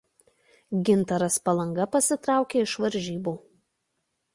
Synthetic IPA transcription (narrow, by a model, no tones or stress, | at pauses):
ɡʲɪnt̪ɐɾɐspɐlˠɐŋɡɐpɐsʲɪt̪ɾɑˑʊkʲeːɪʃʋɐɾʲˑʒʲiːbuː